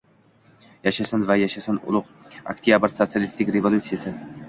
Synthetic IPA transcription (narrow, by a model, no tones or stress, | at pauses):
jaʃasanvajaʃasanʊ̰lˠʊq | a̰k̚t̪ʰijabəɾsot̪sialʲist̪ɪkʲɾevolʲˠut̪sijasɪ